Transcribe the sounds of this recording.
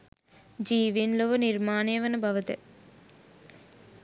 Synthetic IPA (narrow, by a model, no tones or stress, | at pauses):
d͡ʒiːʋinloʋɐniɾmaːnejɐʋɐnɐbʱɐʋɐt̪ɐ̰